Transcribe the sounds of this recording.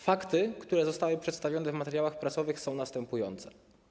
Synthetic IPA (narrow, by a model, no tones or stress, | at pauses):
fakt̪ɘkt̪uɾɛzɔst̪awɘpʂɛt̪st̪avʲjɔnɛvmat̪ɛɾjawaxpɾatsɔvɘxsɔ̃w̃nast̪ɛmpujɔnt̪sɛ̥